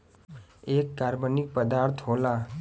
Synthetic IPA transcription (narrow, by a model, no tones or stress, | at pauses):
eːkːaːɾbənɪk̚pəd̪aːɾt̪ʰɦoːlaː